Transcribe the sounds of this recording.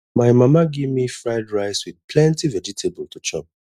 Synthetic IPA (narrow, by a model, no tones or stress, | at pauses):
maɪmamaɡevmifɹaɪdɹaɪswið̚pʰlɛ̃ntivɛd͡ʒitʰebəl̩tʰut͡ʃɔ̰̃p̚